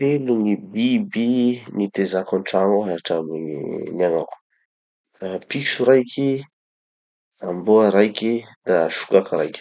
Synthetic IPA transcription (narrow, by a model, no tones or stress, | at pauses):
elunibibinit̪ezakɔnʈ͡ʂaŋoɦaʈ͡ʂamunaŋaku̥ | apiʃuɾajkʰi | amboaɾajkʲid̪̥aʃu̥kakaɾa̰jkʲi̥